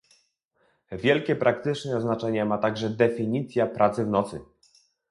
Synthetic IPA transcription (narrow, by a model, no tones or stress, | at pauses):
vʲjɛlkʲɛpɾʔak̚t̪ɘt͡ʂnɛznat͡ʂɛɲɛmat̪aɡʐɛd̪ɛfʲiɲit̪sʲjapɾʔat̪sɘvnɔt̪sɘ̰